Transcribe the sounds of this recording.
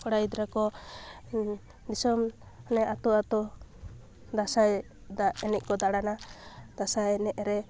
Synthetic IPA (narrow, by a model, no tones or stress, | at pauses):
kɔɽajd̪ɾakɔ | d̪isɔm | nɛʔat̪ɔat̪ɔ | d̪asaj | ɛnɛʔ̚kɔd̪aɽanad̪asajɛnɛʔɾɛ